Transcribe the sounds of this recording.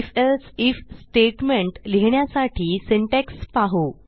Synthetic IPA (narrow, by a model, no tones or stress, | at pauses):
fesifsʈeʈmeɳʈliɦɳjasaʈʰiːsiɳʈekspaɦo